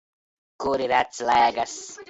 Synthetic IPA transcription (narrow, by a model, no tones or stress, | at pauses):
kuɾiɾat͡slajaɡas